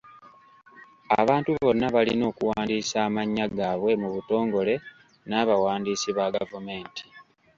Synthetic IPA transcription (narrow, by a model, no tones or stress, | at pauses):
a̰βaːntuβo̞nːaβalḭno̞ːkuwaːndiːsaːmaɲːaɡaːβwe̞muβuto̞ːŋɡo̞le̞ | naːβawaːndiːsiβaɡavume̞ːnti̥